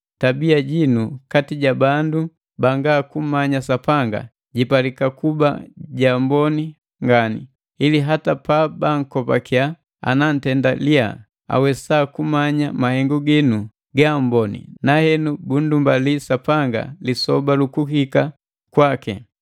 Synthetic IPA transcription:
tabiaɟinukatiɟabandu | baŋɡaːkum̩maɲasapaŋɡa̰ | ɟipalikakuba̰ɟambɔni | ŋɡanḭ | iliɦatapabaŋ̩kɔpa̰kja | a̰nan̩tɛndalia̰ | a̰wɛsakumaɲamahɛŋɡuɡinu | ɡam̩bɔnḭnahɛnubun̩dumbalisapaŋɡa̰lisɔbalukuhika | kwakḭ

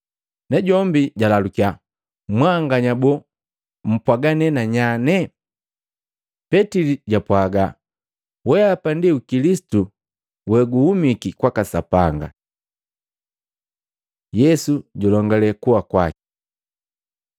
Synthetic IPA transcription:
nɛɟɔmbiɟalalukia | mwaŋɡaɲabɔ | m̩pwaɡanɛnaɲanɛ | pɛtiliɟapwaɡa | wɛapandiukilisi̥tu | wɛɡuhumikikwakasa̰paŋɡa̰ | jɛsuɟɔlɔŋɡalɛkuwakwaki̥

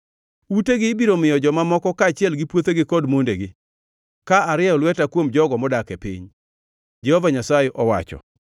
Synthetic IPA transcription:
uteɡɪːbiɾomɪjɔd͡ʒɔmamɔkɔkaːt͡ʃɪɛlɡɪpwot̪eɡɪkɔdmondeɡɪ | kaaɾɪaɔlwɛtakwomd͡ʒɔɡɔmɔdakepḭɲ | d͡ʒɛhɔvaɲasajeʔɔwa̰t͡ʃɔ̰

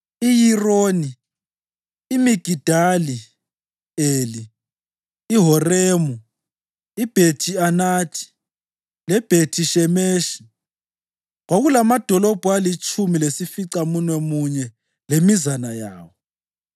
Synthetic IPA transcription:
ijiroːni | miɡ̥ʱid̥ʱali | eːliː | ɦɔreːmu | ib̥ʱetʰianatʰi̥ | lɛb̥ʱetʰiʃɛmeːʃi̥ | ɣwaɣulamad̥ʱɔlɔb̥ʱualit͡ʃʼʰumilesifiǀamunwɛmuɲɛ | lemizanaja̰ːwɔ

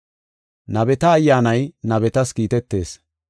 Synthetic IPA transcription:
nɐbɛt̪ɐːjːaːnɐjnɐβɛt̪ɐskiːt̪ɛt̪ːe̞̰ːs

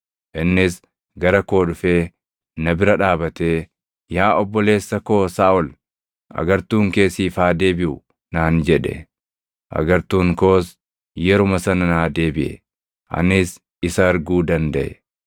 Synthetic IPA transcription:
ʔɪnːɪs | ɡɐɾɐko̞ːᶑʊfe̞ː | nɐbɪɾɐᶑaːbɐt̪e̞ː | jaːʔɔbːɔle̞ːsːɐko̞ːsaːʔɔl | ʔɐ̰ɡɐɾt̪uːŋke̞ːsiːfaːd̪e̞ːbɪʔʊ | naːnd͡ʒɛᶑɛ̰ | ʔɐ̰ɡɐɾt̪uːŋko̞ːs | jɛɾʊmɐsɐnɐnaːd̪e̞ːbɪʔɛ̰ | ʔɐ̰nɪs | ɪsɐːɾɡuːd̪ɐnd̪ɐʔɛ̰

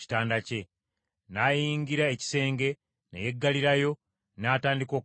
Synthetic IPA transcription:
i̥taːndace̞ | naːjiːŋɡiɾaeci̥se̞ːŋɡe̞ | nḛje̞ɡːaliɾajo̞ | naːtaːndiko̞ː

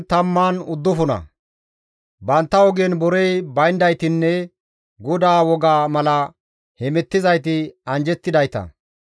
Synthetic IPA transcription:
t̪ɐmːaːnʊd̪ːʊfʊnɐ̰ | bɐnt̪ːɐɔɡɛnbɔɾɛjbɐjnd̪ɐjt̪ɪnːɛ | ɡɔd̪aːwɔɡaːmɐlɐ | hɛmɛt̪ːɪzɐjt̪ɪɐnd͡ʒɛt̪ːɪd̪ɐjt̪ɐ̰

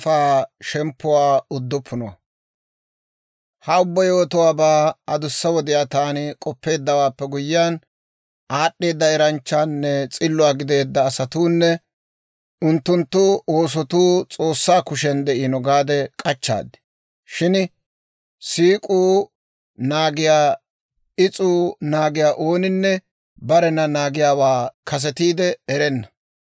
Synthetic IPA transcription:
faːʃɛmpːʊwaːʊd̪ːɔpʰːʊnɔwɐ̰ | hɐʊbːɐjo̞ːt̪ʊwaːbaːɐd̪ʊsːɐwɔd̪ɪjaːt̪aːnɪkʼɔpːe̞ːd̪ːɐwaːpːɛɡʊjːan | ʔaːɗːe̞ːd̪ːɐɛɾɐnt͡ʃːanːɛt͡sʼɪlːʊwaːɡɪd̪e̞ːd̪ːɐːsɐt̪uːnːɛ | ʊnt̪ːʊnt̪ːʊo̞ːs̬ɔt̪uːt͡sʼo̞ːsːaːkʊʃɛnd̪ɛʔinɔɡaːd̪ɛkʼɐt͡ʃːa̰ːd̪ɪ̥ | ʃɪn | siːkʼuː | naːɡɪjaː | ɪt͡sʼuːnaːɡɪjaːʔo̞ːnɪnːɛ | bɐɾɛnɐnaːɡɪjaːwaːkɐs̬ɛt̪iːd̪ɛɛɾɛnːɐ̥

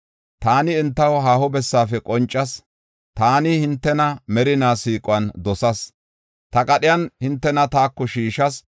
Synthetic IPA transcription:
t̪aːnɪːnt̪ːɐwɦaːhɔbɛsːaːfɛkʼɔnt͡ʃʼːɐs | t̪aːnɪhɪnt̪ːɛnɐmɛɾɪnaːsiːkʼʊɐnd̪ɔsɐs | t̪ɐkʼɐɗɪjɐnhɪnt̪ːɛnɐt̪aːkːɔʃiːʃɐs

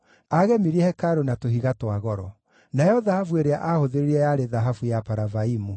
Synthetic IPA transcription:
aɣɛmiɾiɛhɛkaɾonatoɦiɣatwaɣɔɾɔ | najɔðahafueɾeaʔahoðeɾeiɛjaɾeðaɦafujapaɾavaimu

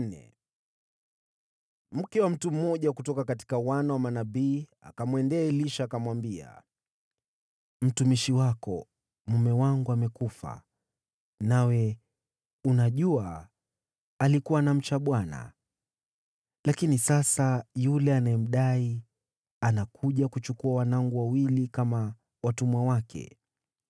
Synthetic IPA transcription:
nɛ̰ | m̩kɛwam̩tum̩mɔʄakutɔkakati̥kawanawamanabiːa̰kamwɛndɛːliʃaːkamwambia̰ | m̩tumiʃiwakɔ̰ | mumɛwaŋɡuamɛkufa̰ | nawɛ | unaʄua | likuwanam̩t͡ʃaɓwana̰ | lakinisasajulɛanajɛm̩ɗai | anakʰuʄakut͡ʃukuawanaŋɡuwawilikama | watumwawakʰɛ̰

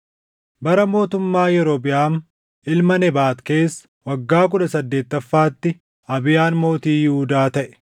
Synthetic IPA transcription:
bɐɾɐmo̞ːt̪ʊmːaːjɛɾobɪjaːm | ʔɪlmɐnɛbaːt̪ke̞ːsːɐ̥ | wɐɡːaːk̬ʊᶑɐsɐd̪ːeːt̪ːɐfːaːt̪ːɪ | ɐbɪjaːnmo̞ːt̪iːjɪhʊd̪aːt̪ɐʔɛ̥

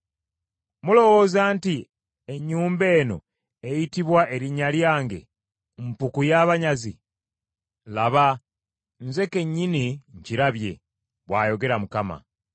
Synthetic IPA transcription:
mulo̞wo̞ːzaːnti | e̞ɲːuːmbe̞ːno̞̰ | ejitiβwaʔe̞ɾiɲaljaːŋɡe̞̰ | mpukujaβaɲazi | laβa | nze̞ke̞ɲːiniɲciɾaβje̞ | βwaːjo̞ɡe̞ɾamukama̰

